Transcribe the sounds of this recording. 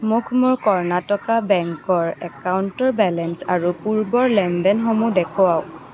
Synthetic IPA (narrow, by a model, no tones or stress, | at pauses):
mʊkʰmʊɹkɔɹnatɔkabɛŋkɔɹɛkawntɔɹbɛlɛnsaɹupuɹbɔɹlɛndɛnxɔmudɛkʰɔwaw